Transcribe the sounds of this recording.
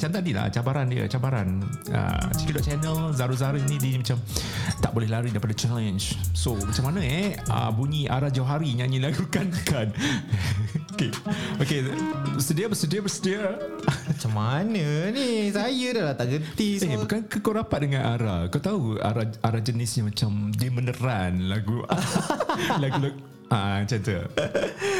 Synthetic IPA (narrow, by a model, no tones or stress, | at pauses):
mt͡ʃamt̪adila̰t͡ʃabaɾandiə̰t͡ʃabaɾa̰nə̰t͡ʃikidɔʔt͡ʃɛnəlzaɾuzaɾuinidiimat͡ʃamt̪aʔbolɛlaɾidaipadat͡ʃɛlənd͡ʒsomat͡ʃamanə̃ɛə̰buɲiʔaɾad͡ʒawɦaɾiɲãɲilaɡukankan | okeokeəsədiabəsədiabəsədia | mat͡ʃamːanənisajədalat̪aʔɡənt̪iebkankəkawɾapat̪̚dəŋãnʔaɾakawt̪aua̰ɾaaɾad͡ʒənɪsɲamat͡ʃamdimənəɾanlaɡu | laɡuluk̚ | ʔat͡ʃant̪ə